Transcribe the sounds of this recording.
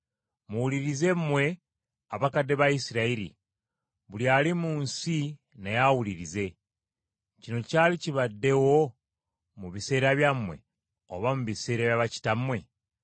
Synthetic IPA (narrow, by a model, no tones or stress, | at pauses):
muwuliɾize̞mmwe̞ | aβakadːe̞βaisiɾaiɾḭ | βuljaːlimuːnsi | nejawuliɾize̞ | cino̞caːliciβadːe̞wo̞ | muβise̞ːɾaβjamwe̞̰ | o̰βamuβise̞ːɾaβjaβaci̥tamwe̞